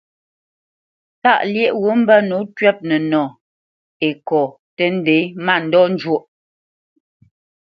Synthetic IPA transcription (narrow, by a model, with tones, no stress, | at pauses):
ta˦˨ʔljɛ˦˨ʔwo˨˦m̩˦bə˦no˨˦tɥɛ˦˨p̚nə˨nɔ˨ | e˨kɔ˨ | tɛ˦n̩˦de˨˦ma˦˨n̩˨dɔ˦n˦d͡ʒwo˦˨ʔ